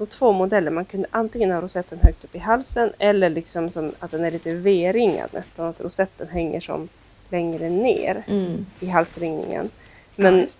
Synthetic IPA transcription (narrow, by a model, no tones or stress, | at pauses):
d̪ɔmt̪ʰv̥oːmʊd̪ɛlːəɾmankʰɵnd̪əʔant̪ɪŋːənhaɾʊsɛt̪ːənɦœːk̚t̪ɵ̥pːɪɦalsənɛlːəɭɪksɔmsɔmat̪̚d̪ɛnæɭiːt̪əveːɾɪŋːa̰d̪nʔɛ̰st̪anat̪ɾʊsɛt̪ːənɦɛŋːə̰ʂɔ̰m | lɛŋɾənḛːɾɪɦalsɾɪŋnɪ̰ŋə̰n | mɛn